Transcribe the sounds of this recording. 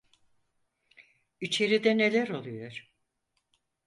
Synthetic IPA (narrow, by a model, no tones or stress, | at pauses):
it͡ʃʰe̞ɾid̪ɛne̞lʲæɾo̞lˠujoɾ̥